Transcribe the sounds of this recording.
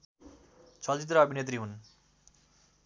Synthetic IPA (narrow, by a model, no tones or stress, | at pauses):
t͡sʰʌld͡ʑit̪̬ɾaʌbʱinet̪ɾiɦun